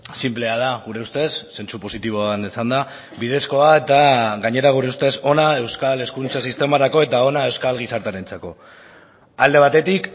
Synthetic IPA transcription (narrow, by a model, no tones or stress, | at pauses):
simple̞að̞aɣuɾe̞ust̪e̞sːe̞nt͡supo̞sit̪iβo̞anesand̪a | bið̞e̞sko̞ae̞t̪aɣaɲe̞ɾaɣ̞uɾe̞ust̪e̞so̞nae̞wskale̞skunt͡sasist̪e̞maɾako̞e̞t̪ao̞nae̞wskalɣisaɾt̪aɾent͡sako̞ | ald̪e̞β̞at̪e̞t̪ik